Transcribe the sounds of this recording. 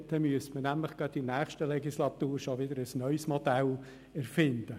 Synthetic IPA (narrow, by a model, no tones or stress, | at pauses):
t̪əmyəstmənæmləχɡ̥ɑtdinæːχʃtəlɛɡislɑt̪uːɾʃoʋɪd̪əɾəsnœʏsmɔd̥̪ɛl | ɛɾfɪnd̪̥ə